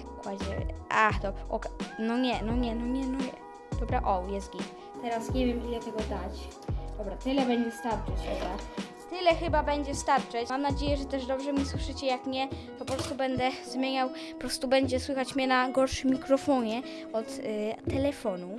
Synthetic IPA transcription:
kwad͡ʑɛ̰ʔaxd̪ɔbɾaʔɔ̰knɔɲɛnɔɲɛnɔɲɛnɔɲɛ | d̪̥ɔbɾaʔɔjɛst̪ɡʲi | t̪ɛɾasɲɛvʲjɛmʔilɛt̪ɛɡɔd̪at͡ɕ | d̪̥ɔbɾat̪ɘlɛbɛɲd͡ʑɛst̪aɾt͡ʂɛt͡ɕxɛba | t̪ɘlɛxɘbabɛɲd͡ʑɛst̪aɾt͡ʂɛt͡ɕamnad͡ʑejɛʐɛt̪ɛʐd̪ɔbʐɛmʲiswɘʂɘt͡ɕɛjakɲɛt̪ɔpɔpɾɔst̪ubɛnd̪ɛzmʲjeɲaw | pɔpɾɔst̪ubɛɲd͡ʑɛswɘxat͡ɕmʲɲɛnaɡɔɾʂɨmʲːikɾɔfɔɲɛ | ɔt̪ːɛlɛfɔnu

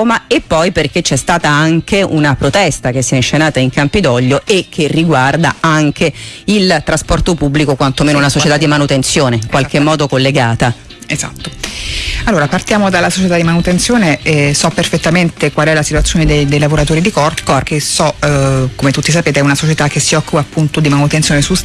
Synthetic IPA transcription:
maepːɔjperk̟et͡ʃːɛst̪aːt̪aaŋkeunapɾot̪ɛst̪ak̟esːiɛnʃenaːt̪aiŋkampid̪ɔʎːoekʰːerːiɡward̪a̰aŋkʰeilt̪ɾaspɔrt̪opubːlikokwant̪omeːnounasot͡ʃet̪ad̪ːimanut̪ent̪sjoːneiŋkwalk̟emmːɔːd̪okolːeɡaːt̪a | ezat̪ːo | alːoːɾapart̪jaːmod̪alːasot͡ʃet̪ad̪ːimanut̪ent̪sjoːneɛsɔperfet̪ːament̪ekwalɛlasit̪uat̪sːjoːned̪ejd̪ejlavoɾat̪oːɾid̪ikɔrt̪kɔrkesɔkomet̪ut̪ːis̬apeːt̪eɛunasot͡ʃet̪akːesːiɔkːupaːpːunt̪od̪imanut̪ensjonesu

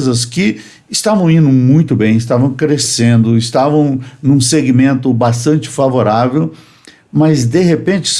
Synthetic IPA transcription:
zɐskɪ | ɪst̪avɐ̃w̃ĩnd̪ʊmũj̃t̪ʊbẽj̃ɪst̪avɐ̃w̃kɾesẽnd̪ʊɪst̪avɐ̃w̃nũseɡimẽnt̪ʊbast̪ɐ̃nt͡ʃɪ̥favoɾavew | mɐzd̪eɦepẽnt͡ʃɪ̥s

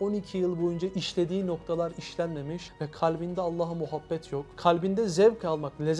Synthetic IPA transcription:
o̞nicʰijɯlˠbo̞jund͡ʒaʔiʃlʲe̞d̪iːno̞kt̪ʰalˠaɾiʃlʲænme̞miʃvɛkʰalʲbind̪ɛalˠːaːɦɯmuɦabːɛt̪ʰjo̞kkʰːalʲbind̪ɛzɛvkʰalˠmakklʲez

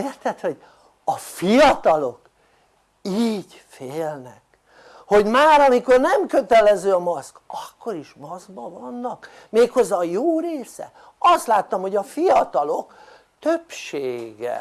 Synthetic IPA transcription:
eːrt̪ɛt̪ho̞ɟ | ɒfijɒt̪ɒlo̞k | iːɟ | feːlnɛk | ho̞ɟmaːɾɒmiko̞rnɛmkøt̪ɛlɛzøːɒmɒskɒkːo̞ɾiʃmɒzɡbɒvɒnːɒk | meːkho̞zɒjoːɾeːsɛ̰ | ɒst̪laːt̪ːɒmho̞ɟɒfijɒt̪ɒlo̞k | t̪øpʃeːɡɛ̰

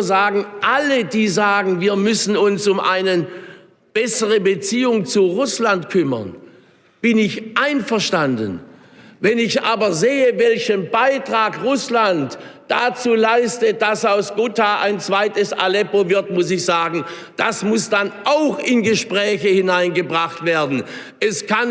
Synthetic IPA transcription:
zaːɡŋ̩ʔalədiːzaːɡŋ̩viːɐmʏsn̩ʊnsʊmʔa̰ɪnə | b̥ɛsəʁəbət͡siːʊŋt͡suʁʊslantkʰʏmɐ̰n | b̥ɪnɪçʔaɪnfɛɐʃtandən | vɛnɪçʔa̰ːbɐzeːəvɛlçənbaɪtʁ̥aːkʁʊslantd̥at͡suːlaɪstəd̥asaʊsɡ̥ʊtaʔa̰ɪnt͡sv̥aɪtəsa̰lɛpovɪɐtmʊs̬ɪçz̥aːɡŋ̩ | d̥a̰smʊsd̥anʔaʊxɪnɡəʃpʁ̥ɛːçəhɪnaɪnɡəbʁaχtv̥eːɐdn̩ | ʔɛskʰan

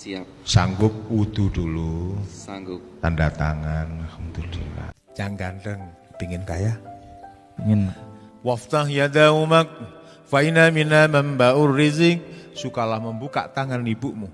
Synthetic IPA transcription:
saŋɡʊp̚ud̪̥udulu | t̪andat̪aŋanhəmt̪udḭla̰ | t͡ʃaŋɡandəŋpiŋɪnkaja | piŋɪnwaft̪aɦjad̪aumak̚ | fainaminaməmbaʔʊrːizɪŋsukalahməmbuka̰ʔt̪aŋanːibuʔmu

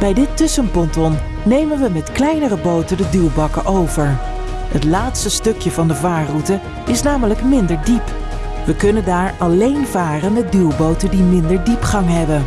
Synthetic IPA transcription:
b̥ɛjdɪtːʏsənpɔntɔn | nejmənʋəmɛtklɛjnərəbowtədədylˠbɑkəʔowvəɹ | ɦətlaːtstəstɵkjəvɑndəvaːrutə | ɪsnaːmələkmɪndəɹdip | ʋəkɵnəndaːɹɑlejnvaːrənmədylˠbowtədimɪndəɹdipχɑŋɦɛbən

